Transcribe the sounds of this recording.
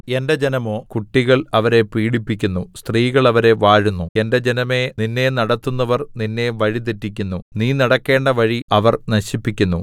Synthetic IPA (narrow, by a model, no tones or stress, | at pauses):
e̞nde̞d͡ʑe̞nɐmo̞ːkuʈːiɣɐɭɐʋɐɾe̞piːɽipːikʲːunːust̪riːɣɐɭɐʋɐɾe̞ʋaːɻunːue̞nde̞d͡ʑe̞nɐme̞ninːe̞nɐɽɐt̪ːunːɐʋɐrninːe̞ʋɐɻit̪̬itːikʲːunːuniːnɐɽɐkːe̞ːɳɖɐʋɐɻiɐʋɐrnɐɕipːikʲːunːṵ